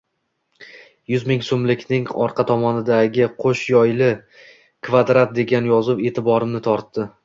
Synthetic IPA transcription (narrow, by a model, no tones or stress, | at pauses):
jʊzmɪŋsomlɪkʲnɪŋɒ̰ɾqʰɑt̪ʰɒmɒnɪd̪aɡʲɪqʰoʃjɒjlɪ | kʰvad̪ɾat̪̚d̪e̞ɡʲanjɒzɪwe̞ːt̪ʰɪbɒɾɪmnɪt̪ʰɒɾt̪ːɪ